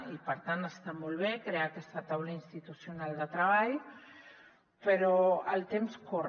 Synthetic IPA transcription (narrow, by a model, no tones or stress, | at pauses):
ipəɾt̪anəst̪amɔlˠβ̞ekɾeakɛst̪ət̪awləinst̪it̪usjunalˠd̪ət̪ɾəβ̞aʎ | pəɾoə̰lˠt̪emskur